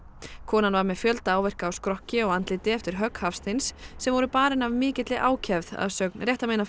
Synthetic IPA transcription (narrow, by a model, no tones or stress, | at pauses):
kʰɔːnanvaɾmɛðfjœlt̪aːwvɛr̥kaːwskɾɔhcɪɔɣant̪lɪt̪ɪɛft̪ɪɾ̥ɦœkhafst̪ɪnsːɛmvɔɾʏpaːɾɪnavmɪːcɪt̪lɪʔaːwcʰɛvða̰ðsœknrjɛht̪ameːjna